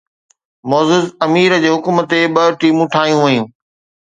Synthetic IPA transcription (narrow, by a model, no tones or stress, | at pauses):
mɔːzɪzɐmiːɾd͡ʑeːɦʊkumət̪ːeɓɐʈiːmũʈʰaːɦijũʋɐjũː